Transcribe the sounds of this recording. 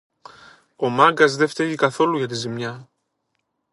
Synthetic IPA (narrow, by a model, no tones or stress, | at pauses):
o̞mɐŋɡɐzðe̞ft̪eʝikɐθo̞luʝɐt̪izimɲɐ